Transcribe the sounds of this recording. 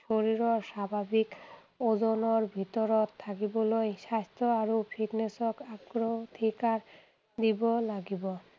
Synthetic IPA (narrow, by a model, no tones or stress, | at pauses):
ʃoɾiɾɔɾʃabʱabik | od͡ʑonoɾbʱit̪ɔɾot̪ʰːakibolojʃast̪oaɾopʰiʈnesokabɡɾot̪ʰikaɾ | d̪ibolaɡibɔ